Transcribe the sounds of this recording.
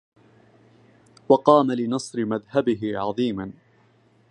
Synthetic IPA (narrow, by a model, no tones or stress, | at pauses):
wɑqɑːmalɪnɑsˤɾɪmaðhabɪɦɪʕɑðˤiːman